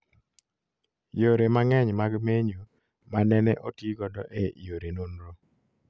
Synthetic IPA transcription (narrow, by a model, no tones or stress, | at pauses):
joɾemaŋɛɲmaɡmeɲo | manɛnɛʔotiɡɔdɔʔejoɾenonɾo